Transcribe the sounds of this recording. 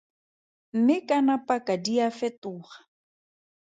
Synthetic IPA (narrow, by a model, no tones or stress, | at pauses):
m̩mɪkʼanapakʼadiafɛtʊːχḁ